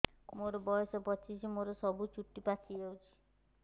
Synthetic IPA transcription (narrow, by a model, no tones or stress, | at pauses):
moɾɔbɔjɔsɔpɔt͡ʃʰisimoɾɔsɔbut͡ʃuʈːipat͡ʃʰiawt͡ʃʰi̥